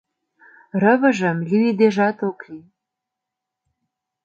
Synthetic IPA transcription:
rə̆βə̆ʒə̆mlʲiid̪eʒɑt̪okli

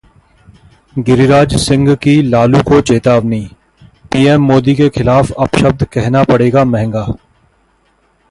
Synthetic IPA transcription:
ɡɪɾiɾaːd͡ʒsɪ̃ŋɡkilaːlukot͡ʃeːt̪aːʋniː | piːɛːmːoːd̪ikexɪlaːfɐpʃəb̚d̪kɛɦnapɐɽeːɡamɛɦɛ̃ŋɡaː

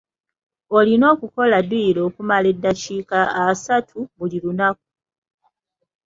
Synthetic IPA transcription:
o̞lino̞ːkuko̞laduilo̞ːkumale̞dːaciːkaːsatʰuβulilunak̚u̥

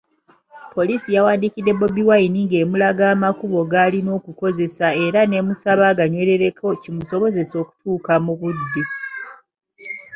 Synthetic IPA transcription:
po̞liːsijawaːndikide̞bo̞biwainiŋɡe̞ːmulaɡaːmakuβo̞ɡalino̞ːkuko̞ze̞sae̞ɾane̞musaβaɡaɲwe̞le̞ɾe̞kʰo̞cimuso̞βo̞ze̞so̞ːku̥tuːkamuβud̪ːe

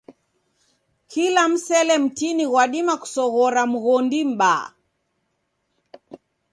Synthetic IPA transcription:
kʰilam̩sɛlɛm̩tiniɣwaɗimaku̥sɔɣɔɾam̩ɣɔndim̩ɓa

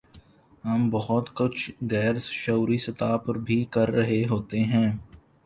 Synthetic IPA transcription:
ɦɐmbɐɦʊt̪kʊt͡ʃʰɣɛːɾʃɐuɾisɐt̪aːpɐɾbʱikɐɾːɐɦeɦoːt̪eɦɛ̃ː

